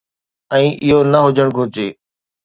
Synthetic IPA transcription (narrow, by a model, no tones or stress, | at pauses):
ɛ̃ːʔɪɦonɐɦʊd͡ʑʱəɽ̃ɡʱʊɾt͡ɕeː